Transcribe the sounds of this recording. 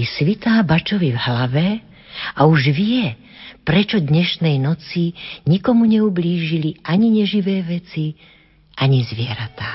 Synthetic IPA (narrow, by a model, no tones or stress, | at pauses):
sʋit̪aːbat͡ʃɔʋivhlaʋɛ | auʒʋɪɛ | pɾɛt͡ʃɔd̪ɲɛʃnɛjnɔt͡siɲikɔmuɲɛubliːʒiliʔaɲiɲɛʒiʋɛːʋɛt͡si | ʔaɲizʋɪɛɾat̪aː